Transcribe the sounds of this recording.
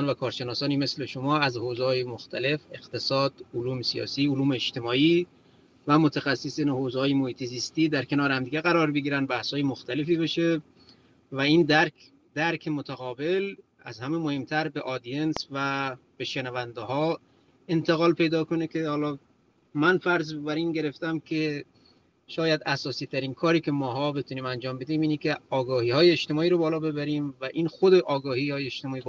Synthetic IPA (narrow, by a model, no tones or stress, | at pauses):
nvækʰɒːɾʃe̞nɒːsɒːniːme̞sle̞ʃomɒːæzhozehɒːjemoxt̪ʰæle̞fe̞qt̪ʰe̞sɒːd̪̥oluːmesijɒ̰ːsiːoluːmeːt͡ʃt̪ʰe̞mɒːiː | væmot̪ʰæxæsːesiːnhoːzehɒːjemohiːt̪ʰeziːst̪iːd̪æɾkʰe̞nɒːɾehæmd̪iːɡʲeɣæɾɒːɾbeɡiːɾænd̪bæhshɒːjemoxt̪æle̞fiːbeʃe̞ | væiːnd̪æɾ | d̪̥æɾkʰemot̪ʰæɣɒːbe̞l | æ̰zhæmemohe̞mt̪ʰæɾbeʔɒːd̪ijensvæb̥eʃenævænd̪eɦɒː | e̞nt̪ʰeɣɒːlpʰe̞jd̪ɒːko̞nekʰʲehɒːlɒ | mænfæɾzbæɾiːnɡe̞ɾeft̪æmkʲʰe | ʃɒːjæd̪æsɒːsiːt̪ʰæɾiːnkʰɒːɾiːkʰemɒːɦɒːbet̪ʰuniːmænd͡ʒɒːmbe̞d̪iːmiːnekʰʲeɒːɡɒːhiːhɒːjeːʃt̪emɒːiːɾobɒːlɒːbe̞bæɾiːmvæʔiːnxod̪eʔɒːɡɒːhiːhɒːjeeʃt̪emɒːiːb